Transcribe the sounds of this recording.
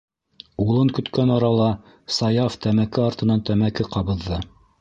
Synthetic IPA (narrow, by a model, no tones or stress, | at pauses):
ulˠɤŋkɵ̆t̪kænɑɾɑlˠɑ | sɑjɑft̪æmækɘɑɾt̪ɤ̆nɑnt̪æmækɘqɑβɤ̆ðːɤ